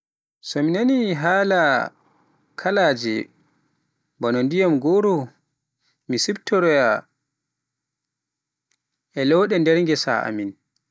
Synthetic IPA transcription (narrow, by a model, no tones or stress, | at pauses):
sɔminaniɦaːla | kʰalad͡ʒɛ̰ | bɔnɔndijamɡoɾɔ | misibtʰɔɾɛja | ɛlɛwɗɛndɛɾŋɡɛsa̰ʔa̰min